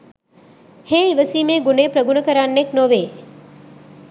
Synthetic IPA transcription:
hẽːiʋəsiːmẽːɡuneːpɾəɡunəkəɾanːeknoʋeː

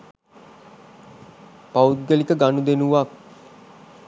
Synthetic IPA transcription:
paut̪̚ɡəlikəɡanud̪enuʋak̚

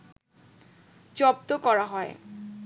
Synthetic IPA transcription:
d͡ʑɔb̚t̪okɔɹaɦɔe

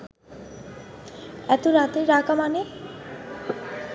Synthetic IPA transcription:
ɛt̪oɾat̪eɾakamane

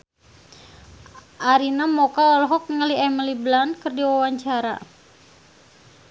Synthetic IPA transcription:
ʔaɾinamɔkaɔlɦɔk̚ŋəliɛməliblankərdiwawaɲt͡ʃaɾa̰

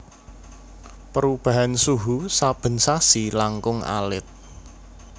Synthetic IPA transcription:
pəɾub̥a̤ɦansuɦusab̥ə̤nsasilaŋkʊŋa̰lɪt̪̚

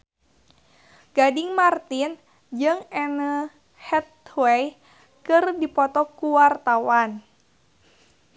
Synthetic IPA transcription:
ɡ̥adɪŋmart̪in | d͡ʒɨŋɛnə | hɛt̪̚wɛj | kɨrdipɔt̪ɔkuwart̪awan

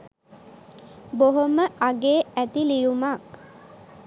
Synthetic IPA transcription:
boɦoməʔaɡeːæt̪ilijumak

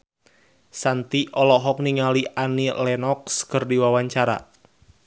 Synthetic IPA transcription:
sant̪iʔɔlɔɦɔk̚niŋaliʔanilɛnɔkskərdiwawaɲt͡ʃaɾa̰

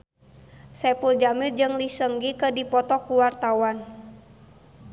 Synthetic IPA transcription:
sɛpuld͡ʒamird͡ʒɨŋlisəŋɡikədipɔt̪ɔkuwart̪awan

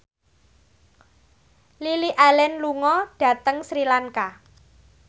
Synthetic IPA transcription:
liliʔalɛnluŋɔɖ̥a̤t̪əŋsɾilaŋka

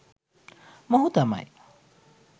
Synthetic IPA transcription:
mɔɦut̪ama̰j

